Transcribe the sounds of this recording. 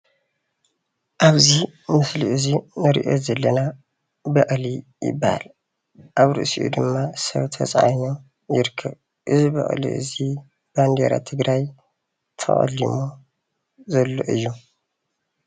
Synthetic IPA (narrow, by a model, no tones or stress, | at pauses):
ʔaβzimɨsliʔɨzinɨɾḭʔo̞̰zɐlːɐna | bɐʔʼlijɪ̰bːaha̰l | ʔaβɾɨ̰ʔsḭʔṵd̪ɨmːasɐ̰βt̪ʰɐt͡sʼa̰jno | jɪɾkʰːɐβ | ʔɨzibɐ̰χʼlḭʔɨ̰zi | b̥and̪eɾa̰t̪ʰɨɡɾaj | t̪ʰɐ̰χʼɐ̰lːimo | zɐlːo̞̰ʔɨjːu